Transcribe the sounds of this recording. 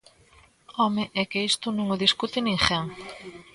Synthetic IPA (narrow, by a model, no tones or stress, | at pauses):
ɔmɪʔɛkeist̪ʊnõŋoðiskut̪ɪnĩŋʃɛŋ